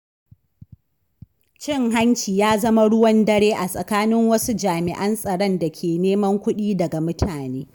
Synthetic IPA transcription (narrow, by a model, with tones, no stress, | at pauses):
t͡ʃɪ˦˨ŋɦa˦nt͡ʃiː˨jaː˦zɐ˦ma˦ɽʊ˦wɐ˦ndɐ˦ɽeː˦ʔa˨sʼɐ˨kaː˦nɪ˦ŋwɐ˦su˦d͡ʒaː˨mɪ˨ʔɐ˦nsʼɐ˨ɽɐ˦nda˨kʲʰeː˨neː˦mɐ˦ŋkʷʊ˦ɗiː˦dɐ˨ɡa˨mʊ˦tʰaː˨neː˦